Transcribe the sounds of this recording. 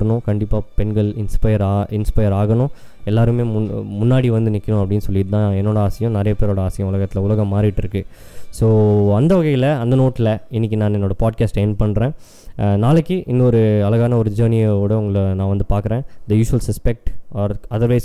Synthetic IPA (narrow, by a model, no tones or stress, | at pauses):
ɐnʊ̃kɐɳɖɪpːaːpɛnɡɐɭɪnspɐɪɐɾaɪnspɐjɐɾaːɣɐnʊ̃ | ɛlːaːɾɯmeːmʊmʊnːaːɽiʋɐnd̪ɯnɪkːɐɳʊ̃ɐpːɐɽɪnːɯsɔlːɪɪðt̪ãːɛnːoːɽɐaːsɐjɐ̃nɐɾɐjɐpeːɾoːɽɐaːsɐjɐ̃ʊlɐɣɐt̪ːɪlɐʊlɐɣɐmːaːɾɪɪʈːɪɾɯkːɯ | soːɐnd̪ɐʋɐɣɐɪjɪlɐɐnd̪ɐnoːʈːlɐɪnːɪk̬ʲːinãːnɛnːoːɽɐpaːɖ̚kaːsʈɛːnpɐɳːɾẽː | naːlɯkːɯʔɪnːɔɾɯɐlɐɣaːnɐɔɾɯd͡ʒɐːnɪjɐoːɽɐʊŋɡɐɭnãːʋɐnd̪ɯpaːɾkɯɾẽːd̪ɐjuːʃʊʋɐlsɐspɛk̚ʈaːɾɐðɐɾʋɐɪs